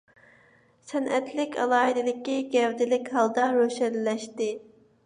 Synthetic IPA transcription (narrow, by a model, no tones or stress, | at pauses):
sɛnʔɛt̪ʰlɪkʲʰɑ̰lˠɑːɦid̪ɪlɪkʲːiɡʲɛwd̪ɪlɪkʲɦɑlˠd̪ɑɾøʃɛnlɛʃt̪ɪ